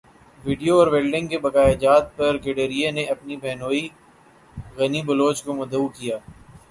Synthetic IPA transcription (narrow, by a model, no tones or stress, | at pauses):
ʋɪːɖijoɔːɾʋeːlɖɪ̃ŋɡkebɐkaːjd͡ʒaːt̪̚pɐɾɡeɖeːɾijeneɐpnibʱɛːnoːi | ɣɐnibɐloːt͡ʃkomɐd̪ɐukijaː